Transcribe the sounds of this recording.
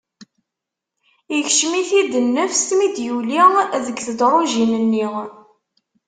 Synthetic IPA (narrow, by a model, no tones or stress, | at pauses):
içʃmiθid̪ənːəfst̪mid̪juliʁðəɡθəd̪ɾˤoʒinənːiʁ